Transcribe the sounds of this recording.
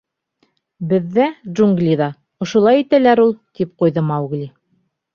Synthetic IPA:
bɘ̆ðːæʒuŋɡlʲiðɑ | ŏʃŏlˠɑjit̪ælæɾulˠt̪ipqujðɤmɑwɡlʲi

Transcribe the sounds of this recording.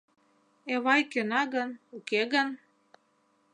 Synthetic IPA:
eβɑjkønɑɣənukeɣən

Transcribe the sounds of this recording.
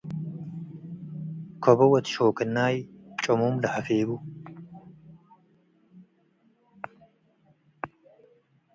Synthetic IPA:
kʰɔbɐwɐt̪ʃoːkɨnːaːjt͡ʃʼɔmumlɐhɐfeːbu

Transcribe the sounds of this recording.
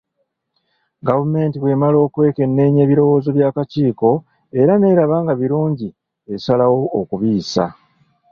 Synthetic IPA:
ɡavume̞ːntiβwe̞malo̞ːkwe̞ːke̞nːe̞ːɲe̞ːβiɾo̞wo̞ːzo̞βjaːkaciːko̞ | e̞ɾane̞ːɾaβaːŋɡaβiɾuːɲɟi | esalawo̞ːkuβiːsa̰

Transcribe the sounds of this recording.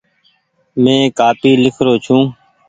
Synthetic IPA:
mẽːkaːpiːlɪkʰɾoːt͡ʃʰũː

